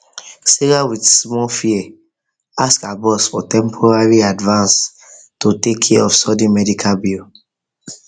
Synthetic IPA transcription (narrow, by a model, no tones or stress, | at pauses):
siɾawidsmɔlfiɛ | askabɔsfɔtɛ̃mpʰɔɹaɹiadvãns | totekʰːɛɛɔfsɔdĩmɛdikʰalbil